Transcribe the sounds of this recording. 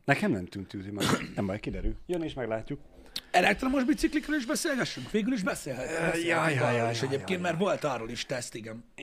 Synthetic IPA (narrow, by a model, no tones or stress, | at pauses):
nɛkɛmnɛmt̪ynt̪yːzimɒɛmbɒjkid̪ɛɾyljøneːʃmɛɡlaːcːuk | ɛlɛk̚t̪romo̞ʒbit̪siklikroliʒbɛseːlɡɛʃːyŋkʋeːɡyliʒbɛseːlɦɛt̪ːjɒjjeʃɛɟeːp̚keːnt̪mɛrvo̞lt̪ɒroliʃt̪ɛst̪iɡɛn